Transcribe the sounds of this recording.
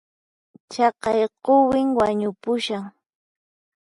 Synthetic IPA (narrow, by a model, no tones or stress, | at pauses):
t͡ʃɑqɑjqowɪŋwaɲʊpʊʃaŋ